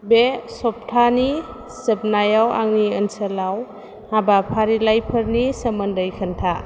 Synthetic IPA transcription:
besɔp̚tʰani | sɯp̚najawa̰ŋniənsəlaw | habapʰaɾilajpʰəɾnisəməndəjkʰəntʰa

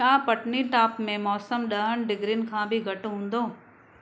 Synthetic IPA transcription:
ãːpɐʈniʈaːpmẽmɔːsəmɗɐɦəñɖɪɡɾinɪ̆kʰãːbʱɪɡʱɐʈɦũːn̆d̪oː

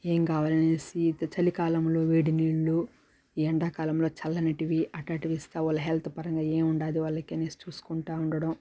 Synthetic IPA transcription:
eːmkaːʋaːlɐnesit͡ʃɐlikaːlɐmlo̞ːʋeːɽiniːɭːu | iːɐɳɖaːkaːlɐmlo̞ːt͡ʃɐlːɐnɐʈiʋiʔɐʈɐʈiʋist̪aːɔlːɐɦelt̪ʰupɐɾɐŋɡaːeːmuɳɖaːd̪iʋɐːɭːɐkiɐnesi̥t͡ʃuːsu̥kuɳʈaːuɳɖɐɽɐm

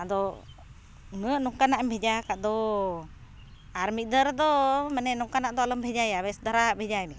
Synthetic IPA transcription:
d̪ɔ | ŋəʔnɔŋkanaʔmbʱɛd͡ʒakaʔd̪ɔ | aɾmid̪əɾd̪ɔmɛnɛnuŋkanaʔd̪ɔalɔmbʱɛd͡ʒajaβɛsd̪aɾabʱɛd͡ʒajmi

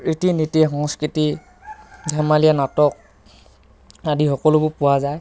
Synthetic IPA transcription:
itinitixɔŋskɹiti | dʱɛmalijanatɔk̚ | adixɔkɔlʊbʊpʊwazaj

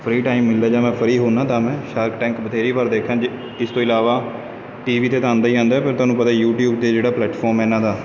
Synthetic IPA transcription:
pʰɾiːʈaːiːmːɪlːaːd͡ʒaːmɛ̃ːpʰəɾiːɦoːnãːt̪ãːmɛ̃ːʃaːɾkʈɛ̃ːŋkbət̪ʰeːɾiːpəɾd̪eːkʰːãːd͡ʒ | ɪst̪õːɪlaːʋaː | ʈiːʋiːt̪eːt̪ãːnd̪aːiːãːnd̪aːɛpʰɪɾt̪ʊwaːnũːpət̪aːjuːʈjuːb̚t̪eːd͡ʒeːɽaːplɛːʈfʰɔːɾmɛːnãːd̪aː

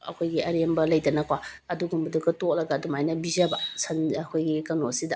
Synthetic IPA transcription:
ɐ̰kʰojɡiɐɾembɐlɐjdɐnɐkwaɐduɡumbɐdukɐtok̚lɐɡɐːdumajnɐbizɐbɐsɐnkʰojɡikɐwnosidɐ

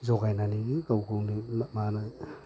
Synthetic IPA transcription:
zɔɡajnaniɡikawkʰɯwnimana

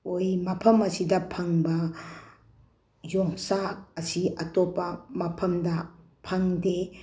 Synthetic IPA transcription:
ojmɐpʰɐmɐsidɐpʰɐŋbɐ | joŋsaɐsiɐtopːɐmɐpʰɐmdɐ | pʰɐŋde

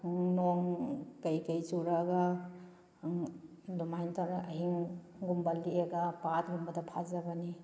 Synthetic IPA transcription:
ŋnoŋkɐjkɐjt͡ʃuɾaɡa | dumajntanɐɦiŋ | ɡumbalːieɡapat̚ɡumbɐdɐpʰazɐbɐni

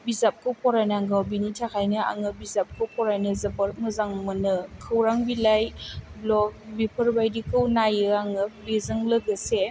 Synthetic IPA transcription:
bizap̚kʰɯwpʰɔɾajnaŋɡawbinitʰakʰajnɯa̰ŋɯbizap̚kʰɯwpʰɔɾajnɯzɐbəɾmɯzaŋmɯnɯkʰɯwɾaŋbilajblɔk̚bipʰəɾbajdikʰɯwnajɯaŋɯbizɯŋləɡəse

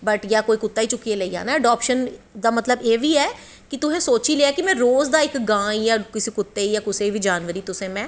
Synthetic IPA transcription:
bəʈjaːkoːiːkʊt̪ːaːiːt͡ʃʊkːieːləiːa̰ːnaːəɖɔːpʃənd̪aːmət̪ləbeːʋiːɛː | kɪt̪ʊɦẽːsoːt͡ʃiːleaːkɪmɛ̃ːɾoːzd̪aːɪkɡãːjaːkɪsiːkʊt̪ːeːijaːkʊseːʋiːd͡ʒaːnʋəɾiːt̪ʊsẽːmɛ̃ː

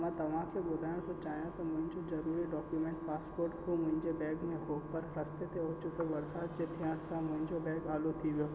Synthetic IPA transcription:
mãt̪ɐʋ̤ãkʰebʊd̪ʱaːjõd͡ʒot͡ʃaːɦijãt̪omʊ̃ɦɪ̃ɲd͡ʒozɐɾuːɾiɖɔːkjumẽːɳʈpaːspoːɾʈkomʊ̃ɦɪ̃ɲd͡ʒebɛ̃ːɡnẽɦoːpəɾɾɐst̪et̪eɦot͡ʃʰut̪oʋɐɾsaːd̪d͡ʒet̪ʰijãːɾsãmʊ̃ɦɪ̃ɲd͡ʒobɛ̃ːɡaːlot̪ʰiʋjoː

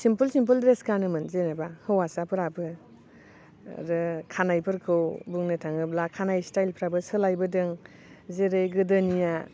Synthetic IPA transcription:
simpulsimpuldɾeskanɯmɯnzenebahɯwasapʰɯɾabɯ | ɾɯkʰanajpʰɯɾkʰɯwbuŋnɯtʰaŋɯblakʰanajstajlpʰɾabɯsɯlajbɯdɯŋ | zeɾɯjɡɯdɯnija

